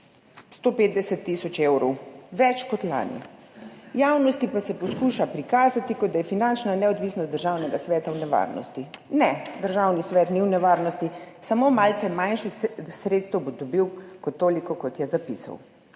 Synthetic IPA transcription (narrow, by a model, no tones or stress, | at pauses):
st̪oːpeːt̪̚d̪ɛsɛt̪ːisɔt͡ʃewɾɔwʋɛt͡ʃkɔt̪la̰ːnḭ | jawnɔst̪ipasɛpɔskuʃapɾikaːzat̪ikɔd̪d̪ajɛfinant͡ʃnanɛɔd̪ʋisnɔst̪d̪əɾʒaːwnɛɡasʋɛːt̪awnɛʋa̰ɾnɔ̰st̪inɛd̪əɾʒawnisʋɛːt̪niwnɛʋaːɾnɔst̪isamomaːlt̪sɛmajnʃixsɾeːt̪st̪ɛwbɔd̪ɔbiwkɔt̪ːoːlikɔkɔt̪jɛzapisa̰w